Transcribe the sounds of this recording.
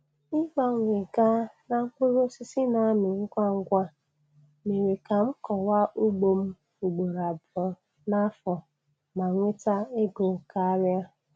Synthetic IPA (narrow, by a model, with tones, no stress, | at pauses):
ɪ˦ba˦˨ŋʷ˨e˨ɡa˦na˨ŋ̩˦kʷʊ˦ɾʊ˦sɪ˦sɪ˦na˨˦mɪ˨ŋ̩˦kʷa˦ŋ̩˦ɡʷa˦ | me˨ɾe˨ka˨m̩˦kɔ˨wa˦ʔu˦ɡ͡bo˨m̩˦ | u˨ɡ͡bo˨ɾa˨bɔ˨ | na˦fɔ˨ | ma˨ŋʷe˦ta˦e˦ɡʊ˨ŋ̩˨ka˦ɾja˦